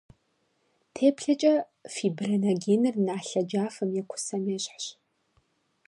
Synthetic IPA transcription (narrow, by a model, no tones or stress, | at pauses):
tʰeːpɬɐt͡ʃʼɐ | fiːbrɐnɐɡeːnɨrnaːɬɐd͡ʒaːfɐmjɛkʷʰʊ̥sɐmjɛɕħɕ